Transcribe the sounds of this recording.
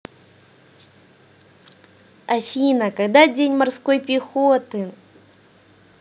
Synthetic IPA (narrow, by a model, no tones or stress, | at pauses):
ɐfʲinəkɐɡd̪adʲenʲmɐrsko̞jpʲɪxot̪ɨ